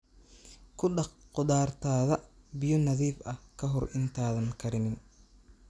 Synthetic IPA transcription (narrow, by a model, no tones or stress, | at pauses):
kʰʊɗɑqʊd̪aːrt̪ʰaːðɐbɪjɔnɐðiːfɐhkʰɐɦɔrʔɪnt̪ʰaːðɐŋkʰɐɾɪnɪn